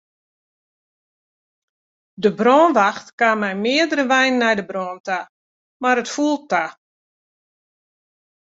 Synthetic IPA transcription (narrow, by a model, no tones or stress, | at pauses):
dəbrɔːnʋaxtkamɛjmɪədəɾəʋɛjnːɛjdəbrɔːnta | maɾətfulˠta